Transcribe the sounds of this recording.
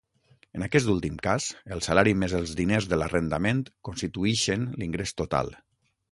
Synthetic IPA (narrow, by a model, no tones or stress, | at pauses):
ənakɛs̬t̪ulˠt̪imkaz̥əlˠsəlaɾimezəlˠzðinezðələrənd̪əment̪konst̪it̪uiʃənliŋɡɾest̪ot̪a̰lˠ